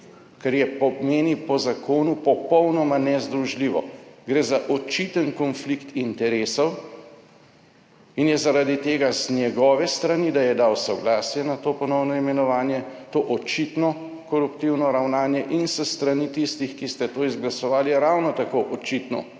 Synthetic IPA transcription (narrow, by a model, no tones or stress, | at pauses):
kaɾjɛpɔmeːnipɔzakoːnupɔpɔwnɔmanɛzd̪ɾuʒliːʋɔ̰ɡɾeːzaʔɔt͡ʃit̪ənkɔnflikt̪int̪ɛɾeːsɔw | injɛzaɾad̪it̪eːɡaznjɛɡɔːʋɛst̪ɾanid̪ajɛd̪awsɔɡlaːsjɛnat̪oːpɔnɔwnɔimɛnɔʋaːnjɛt̪oːʔɔt͡ʃit̪nɔ | kɔɾupt̪iwnɔɾawnaːnjɛʔinsəst̪ɾanit̪ist̪ixkist̪ɛt̪oːizɡlasɔʋaːljiɾawnɔt̪akoʔɔt͡ʃit̪nɔ̰